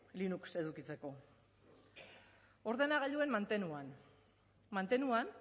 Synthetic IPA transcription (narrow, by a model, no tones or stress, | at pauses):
linukse̞ðukit͡se̞ko̞ | o̞ɾðe̞naɣ̞aʎue̞nmant̪enuan | mant̪e̞nuan